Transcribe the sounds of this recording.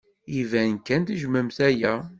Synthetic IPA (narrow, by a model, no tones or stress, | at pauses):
ivænkːænt̪iʒməmθæjæ